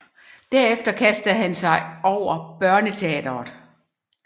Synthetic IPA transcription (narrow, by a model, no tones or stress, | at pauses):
d̥æɐefd̥ɐkʰæsd̥əð̩ˠɦænsɑ̈ɪʔɒʊ̰ɐb̥ɶɐnət͡sʰeɛ̰ːd̥ɐðˠ